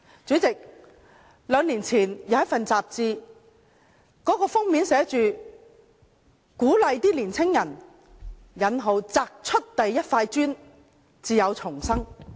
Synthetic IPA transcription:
t͡syː˨˥t͡sɪ˨k̚ | lœː˨˧ŋliː˨˩nt͡sʰiː˨˩njɐ˨˧wjɐ˥fɐ˨nt͡saː˨p̚t͡siː˧ | kɔː˨˥kɔː˧fʊ˥ŋmiː˨˥nsɛː˨˥t͡ʃyː˨˧ | kuː˨˥lɐ˨˧jt̪iː˥liː˨˩nt͡sʰɪ˥ŋjɐ˨˩n | jɐ˨˥nɦo˨˧wt͡saː˧k̚t͡ʃʰɵ˥t̚t̪ɐ˨jːɐ˥t̚faː˧jt͡ʃyː˥n | t͡siː˨˧jɐ˨˧wt͡sʰʊ˨˩ŋsɐ˥ŋ

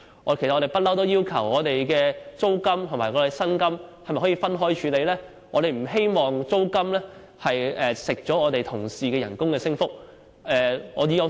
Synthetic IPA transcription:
ke˨˩sɐ˩ɔ˧t̪e˨jpɐ˥t̚lɐ˥wt̪o˥wjiː˥wkʰɐ˨˩wɔː˨˧t̪e˨jkɛː˧t͡so˥wkɐ˥mt̪ʰʊ˨ŋmaː˨˩ɔ˨˧˥e˨sɐ˥nkɐ˥mhɐ˨jmɐ˨jhɔː˨˥jiː˧fɐ˥nɦɔː˥jt͡ʃʰy˨˧le˨˧jlɛː˥ | ŋɔː˨˧ɾe˨˩jm̩˨˩ɦe˥jmɔː˨ŋt͡so˥wkɐ˥mlɛː˥ | hɐ˨jɛː˨˩sɪ˨k̚t͡ʃɔː˨˥ŋɔː˨˧t̪e˨jt̪ʰʊ˨˩ŋsiː˨kɛː˧jɐ˨˩nkʊ˥ŋkɛː˧sɪ˥ŋfʊ˥k̚ | ʔɛː˧ɔː˨˧ji˧jɔ˧

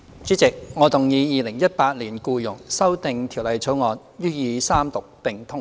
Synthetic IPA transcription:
t͡syː˨˥t͡sɪ˨k̚ŋɔː˨˧t̪ʊ˨ŋjiː˨˧jiː˨˧lɪ˨˩ŋjɐ˥t̚paː˧t̚liː˨˩nkuː˧jʊ˨˩ŋsɐ˥wt̪ɪ˨ŋt̪ʰi˨˩wlɐ˨jt͡sʰo˨˥wŋɔː˨˧n | jyː˥jiː˨˧saː˥mt̪ʊ˨k̚pɪ˨ŋt̪ʰʊ˥ŋ

